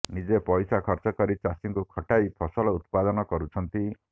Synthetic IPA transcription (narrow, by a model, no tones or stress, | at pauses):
nid͡ʒepɔjsakʰɔɾt͡ʃɔkɔɾit͡ʃasiŋkukʰɔʈajpʰɔsɔlɔut̪̚pad̪ɔnɔkɔɾut͡ʃʰɔnt̪i